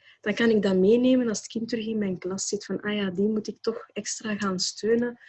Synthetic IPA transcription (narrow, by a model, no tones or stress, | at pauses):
d̥ɑnkɑnɪɡ̚dɑmeːneːmənɑlˠsətkɪntəɾɵxɪnmɛjnklɑsɪtfɑnʔaːjaːdimutɪk̚tɔxɛkstraːɣaːnstʰøːnə